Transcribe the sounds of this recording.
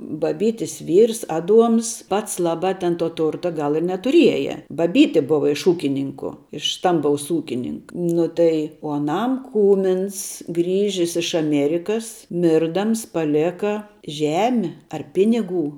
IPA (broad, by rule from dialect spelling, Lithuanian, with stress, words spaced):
bɐˈbʲiːtʲɪs ˈʋʲiːrs ˈɑːˌduɔms ˈpɐts ˈlˠɑːˌbɑː tʲɛn toː ˈtʊrtɐ ˈɡɐlˠ ɪ nʲɛtʊˈrʲiɛjɛ bɐˈbʲiːtʲɪ ˈbʊʋɐ ɪʃ ˈuːkʲɪnʲɪŋkʊ ɪʃ ˈstɐmbɐʊs ˈuːkʲɪnʲɪŋk ˈnʊ tɐɪ oː ɐˈnɐm ˈkuːmʲɪns ˈɡrʲiːʒʲɪs ɪʃ ɐˈmʲeːrʲɪkɐs ˈmʲɪrdɐms pɐˈlʲeːkɐ ˈʒʲæːmʲɪ ɐr ˈpʲɪnʲɪˌɡuː